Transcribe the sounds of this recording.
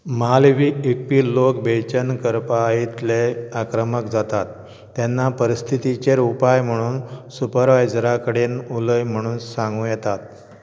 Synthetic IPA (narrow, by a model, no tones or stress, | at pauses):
malʋiek̚piːlokbet͡ɕənkəɾpaːit̪leakɾəməkd͡zat̪at̪ː | ɛnːapəɾist̪ʰit̪it͡ɕeɾupajm̤əɽ̃uːnsupəɾʋajd͡zɾakəɽeːnuləjm̤əɽ̃uːnsãŋɡũjɛt̪at̪̚